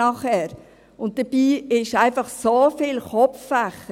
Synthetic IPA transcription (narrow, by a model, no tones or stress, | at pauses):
ɑχɛːɾ | ʊnt̚d̥əb̥iːɪʃæɪnfɑχsoːfɪːlχɔpp͡fffæχə